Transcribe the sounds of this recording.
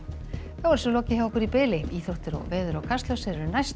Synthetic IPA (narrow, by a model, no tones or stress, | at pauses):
θavɔɾsɛloːwcɪhɛavɔhkʏɾipɪːlɪiːθowht̪ɪɾɔ̰ɣvɛːðʏɾɔkʰast̪lœwsɛɾɪɾʏnajst̪